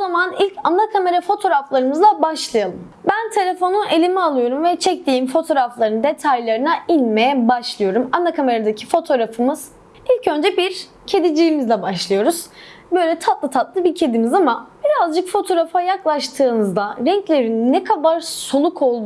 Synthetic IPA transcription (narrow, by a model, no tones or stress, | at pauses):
ozamanilʲcʰanːakʰame̞ɾafo̞t̪ʰo̞ɾaflˠaɾɯmɯzlˠabaʃlˠajalˠɯm | bænt̪ʰe̞lʲefo̞nuʔe̞lʲimialˠɯjo̞ɾumvɛt͡ʃʰɛc̚lʲiːmfo̞t̪ʰo̞ːɾaflˠaɾɯnd̪e̞t̪ʰajlˠaɾɯnailʲmejɛbaʃlˠɯjo̞ɾumanːakʰame̞ɾad̪acʰifo̞t̪ʰo̞ɾafɯmɯz̥ | ilʲcø̞nd͡ʒɛbiɾ | cʰe̞d̪id͡ʒijːmizlabaʃlˠɯjo̞ɾuz̥bø̞jlʲɛt̪ʰat̪lˠɯt̪ʰat̪lˠɯbiɾcʰe̞d̪imizamab̥iɾazd͡ʒɯkfo̞t̪ʰo̞ɾafajaklˠaʃt̪ʰɯːnɯzd̪aɾɛɲclʲe̞ɾinːɛkʰabaɾsolˠukʰo̞lˠd̪u